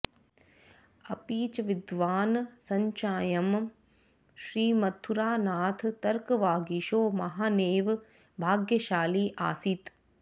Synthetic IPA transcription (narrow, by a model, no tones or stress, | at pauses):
ɐpiːt͡ʃɐʋid̪ʋaːnsɐɲt͡ʃaːjɐm | ʃɾiːmɐt̪ʰːuɾaːnaːt̪ʰt̪ɐɾkɐʋaːɡiʃoːmɐɦaːneːʋ | bʱaːɡjɐʃaːliːʔa̰ːsit̪